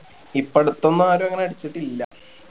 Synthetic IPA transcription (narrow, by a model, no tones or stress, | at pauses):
ipːeɽut̪ːonːuaːɾuɐŋːɐneɐɽit͡ɕːiʈːilːɐ